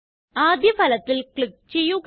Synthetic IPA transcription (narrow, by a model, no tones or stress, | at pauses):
aːd̪ʱjɐbʱɐlɐt̪ːilkɭik̚t͡ɕe̞jːuɣ